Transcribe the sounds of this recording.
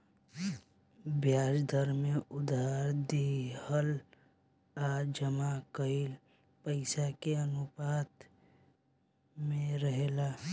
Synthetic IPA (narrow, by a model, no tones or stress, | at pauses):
bjaːd͡ʒd̪ʱəɾmẽʊd̪aɾd̪ihəl | ad͡ʒəmakəil | pəɪsakeənʊpaːt̪ | mẽɾəɦela